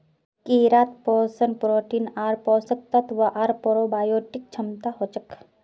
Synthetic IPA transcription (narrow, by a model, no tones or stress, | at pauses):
kiɾaːt̪poːsənpɾoːʈiːnaːɾpɔːsɐk̚t̪ɐt̪ʋɐʔaːɾpoɾobaːjoːʈik̚t͡ʃʰɐmt̪aɦoːt͡ʃɐk